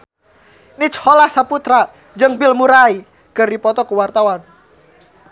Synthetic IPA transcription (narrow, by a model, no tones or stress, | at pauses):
nit͡ʃhɔlahsaput̪ɾa | d͡ʒəŋbɪlmuɾai | kərdipɔt̪ɔkuwart̪awan